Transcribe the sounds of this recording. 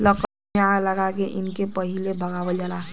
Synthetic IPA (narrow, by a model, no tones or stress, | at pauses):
lək | alɐɡakeʔɪnkepɐɦɪlebʱɐɡaːwəd͡ʒəla